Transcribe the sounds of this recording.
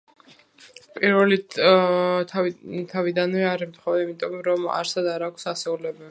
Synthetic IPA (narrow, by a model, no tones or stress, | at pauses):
pʼiɾvɛli | t̪ʰavid̪anvɛaɾɛmt̪ʰχɔvɛimit̪ʼɔmɾɔma̰ɾsad̪aɾaːkʷʰsasɛulɛbɛv